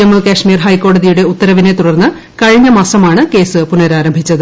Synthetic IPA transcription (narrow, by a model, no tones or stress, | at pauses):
ɐmɨkaːʂmiːrɦɐjkːo̞ːɽɐðijuɽe̞ut̪ːɐɾɐʋine̞t̪uɽɐrnːɨ | kɐɻiɲːɐmɐsɐmaːɳɨke̞ːsɨpunɐɾaːɾɐmbʱit͡ɕːɐðɨ